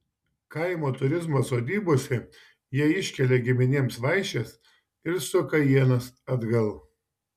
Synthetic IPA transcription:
kɐɪmoːt̪ʊɾʲɪzmɐsoːd̪ʲiːboɔsʲɛ | jiɛɪʃʲkʲɛlʲeɡʲɪmʲɪnʲeːmsʋɐɪʃʲɛs | ɪɾsʊkɐjiɛnɐsɐd̪ɡɐlˠ

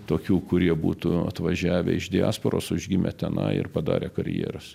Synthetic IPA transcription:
t̪oːkʲuːkʊɾʲiɛbṵːt̪ʊɐ̰t̪ʋɐʒʲæːʋʲɛɪʒd̪ʲɪɑːspoɾoːsʊʒʲɡʲɪmʲɛ̰t̪ʲɛnɐɪɪ̰rpɐd̪ɑ̰ːɾʲekɐɾʲjḛːɾɐs

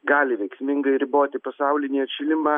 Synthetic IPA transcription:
ɡɑːlʲɪʋʲɛɪksʲmʲɪŋɡɐɪɾʲɪboːt̪ʲɪpɐsɑʊlʲɪnʲiːɛʃʲɪlʲɪmɑː

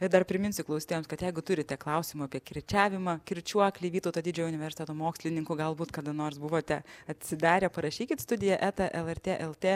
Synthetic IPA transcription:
ɪd̪ɐrpʲɾʲɪmʲɪnʲsʲʊklˠɐʊsʲit̪ʲeːjomskɐt̪jɛɪɡʊt̪ʊɾʲɪt̪ʲɛklˠɐʊsʲɪmʊɐpʲiɛkʲɪɾʲt͡ʃʲæːʋʲɪmɐkʲɪɾʲt͡ʃʲuɔklʲiʋʲiːt̪oʊt̪oːd̪ʲɪd͡ʒʲɛːjʊnʲɪʋʲɛrsɪ̥t̪ʲeːt̪oːmoːksʲlʲɪnʲɪŋkʊɡɐlˠbuːt̪kɐd̪ɐnoːrsbʊʋoːt̪ʲɛɐt̪ʲsʲɪd̪ɑːɾʲepɐɾɐʃʲiːkʲɪt̪st̪ʊd̪ʲɪjɛʔæːt̪ɐʔɛlˠɛrʲt̪ʲeːʔɛlˠt̪ʲeː

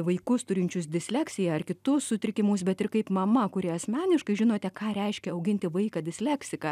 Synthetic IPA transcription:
ʋɐɪkʊst̪ʊɾʲɪnʲt͡ʃʲʊsd̪ʲɪsʲlʲækʲsʲɪjɛɐrkʲɪt̪ʊssʊt̪ʲɾʲɪkʲɪmʊːs̬bʲɛt̪ɪrkɐɪpmɐmɐkʊɾʲiɛɐsʲmʲæːnʲɪʃkɐɪʒʲɪnoːt̪ʲɛkɑːɾʲɛɪʃʲkʲɛɐʊɡʲɪnʲt̪ʲɪʋɐɪkɑd̪ʲɪsʲlʲæksʲɪkɑ

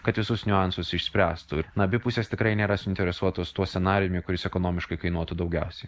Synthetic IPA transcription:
kɐt̪ʋʲɪsʊsnʲʊɑnsʊsɪʃʲsʲpʲɾʲæːst̪uɪnɐbʲɪpʊsʲeːst̪ʲɪkɾɐɪnʲeːɾɐsʊɪnʲt̪ʲɛɾʲɛsuɔt̪oːst̪uɔsʲɛnɑːɾʲɪjʊmʲʊkʊɾʲɪsɛkonoːmʲɪʃkɐɪkɐɪnuɔt̪ud̪ɒʊɡʲɛʊsʲɛɪ

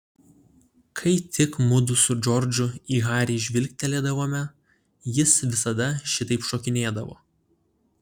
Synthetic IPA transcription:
kʰɐɪt̪ʲɪkmʊd̪ʊsʊd͡ʒɔɾʲd͡ʒʲʊiːɣɑːɾʲɛːʒʲʋʲɪlʲk̚ʲt̪ʲɛlʲeːd̪ɐʋoːmʲɛ | jɪsʋʲɪsɐd̪ɐʃʲɪt̪ɐɪpʃoːkʲɪnʲeːd̪ɐʋo̰ː

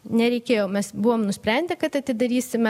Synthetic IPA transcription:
nʲɛɾʲɛɪkʲeːjoːmʲɛsbuʋoːmnʊsʲpʲɾʲɛnʲd̪ʲɛkɐt̪ɐt̪ʲɪd̪ɐɾʲiːsʲɪmʲɛ

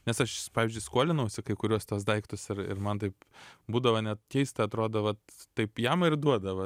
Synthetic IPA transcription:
nʲɛsɐʃpɑːʋʲɪzʲd͡ʒʲʊɪskuɔlʲɪnɐʊsʲɪkɐɪkʊɾʲuɔst̪uɔsd̪ɐɪkt̪ʊsɪɾɪ̰ɾmɐnt̪ɐɪpbuːd̪ɐʋɐnʲɛt̪kʲɛɪst̪ɐɐt̪ɾoːd̪oʋɐt̪tɐɪpjɛmɪrd̪uɔd̪ɐʋɐ

